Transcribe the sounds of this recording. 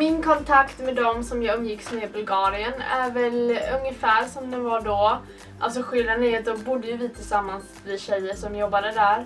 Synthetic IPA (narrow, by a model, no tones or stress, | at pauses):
mɪnkʰɔnt̪ʰakt̪mɛd̪ɔmsɔmjɑːɵmːjɪksmeːbɵlɡɑːɾɪənæ̰ɾvɛlɵŋːəfæːɾʂɔmd̪ɛnvaɖɔ | ʔa̰lt̪s̬ɔɧɪlanɛat̪̚d̪ɔmbʊd̪ːəjɵvɪt̪ʰɪlsamːans | lɪɕɛjːəʂɔmjɔbːad̪əd̪æɾ